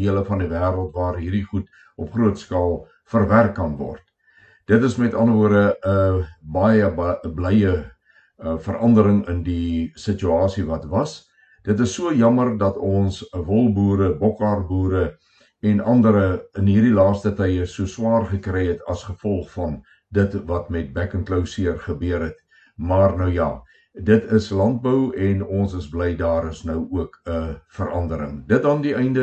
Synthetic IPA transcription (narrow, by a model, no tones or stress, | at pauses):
iələfɐndivæːɾəlˠtvɑːrɦiːrdiχut | ʔɔpχruətskɑːlˠ | fərværkːɐnvɔ̰rt | d̥ətəsmɛtɐndəvuərdəəbɑjəblɛjə | əfəɾʔɐndəɾəŋəndisət͡ʃyɑːsivɐtvɐs | d̥ətəsːuəjɐmərdɐtɔnsvɔlˠbuːɾəbɔkɑrbuːɾə | ɛnʔɐndəɾəənɦiːrdilɑːstətɛjəsuəswɑːrχəkrɛjɛtɐsχəfɔlˠχfɐn | dətvɐtmɛt̚bækənkləwsiərχəbøəɾɦɛt | mɑːrnəwjɑ̰ː | dətʰəslɐnt̚bəwɛnɔnsəsblɛjdɑːɾəsnœwuəkəfəɾʔɐndəɾə̰ŋdət̚dɑndiʔɛjndə